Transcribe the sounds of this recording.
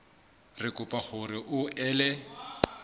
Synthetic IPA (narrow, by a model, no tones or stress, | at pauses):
rɪkʼʊpʼaχʊrɪʔʊʔɛːlɛ